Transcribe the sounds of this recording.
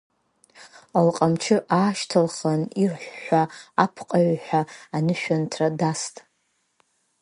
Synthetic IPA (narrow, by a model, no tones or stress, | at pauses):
alqʼamt͡ʃʰɨʔaːʃtʰalχanirħʷːaapʰqʼaɥħʷᶣaːnɨʃᶣantʰradastʼ